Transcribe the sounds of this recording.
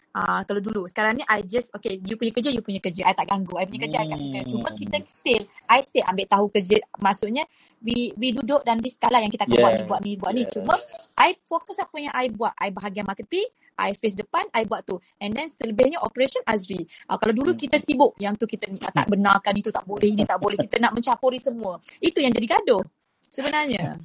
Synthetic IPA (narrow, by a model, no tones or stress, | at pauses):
akaladulusə̥kaɾaŋniʔajd͡ʒəsokejupuɲəkəd͡ʒəjupuɲəkəd͡ʒəʔajt̪aʔɡaŋɡuajpuɲəkəd͡ʒakaʔkit̪ət͡ʃumə̃kit̪əst̪ɪlajst̪ea̰mbɪʔt̪aɦukəd͡ʒəmaʔsʊʔɲə | wiwidudʊʔ̚dandisə̥kalaʔjãŋkit̪əakanbuaʔnĩbuaʔnĩbuaʔnit͡ʃumə̃ʔajfɔk̚t̪ɔsapəjaŋʔajbuaʔʔajbəɦaɡianmakət̪ɪŋ | ʔa̰jfes̬dəpanajbuaʔt̪u | ɛ̃ndɛnsələbɪhɲəʔɔ̰pəɾesənasɾiʔa̰kalawdulukit̪əsibʊʔ̚jaŋt̪ukit̪ət̪a̰ʔbənarkanit̪ut̪a̰ʔbolɛhinit̪aʔbolɛhkit̪ənaʔmə̃ɲt͡ʃapoɾisəmũəit̪ujaŋd͡ʒadiɡadʊh | səbənarɲə